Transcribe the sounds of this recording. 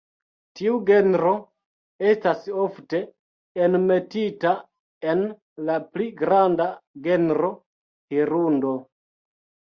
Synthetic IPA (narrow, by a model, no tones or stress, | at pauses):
tiuɡe̞nɾo̞ | e̞staso̞fte̞ː | nme̞tita | en | lapliɡɾandaɡe̞nɾo̞ | hiɾundo̞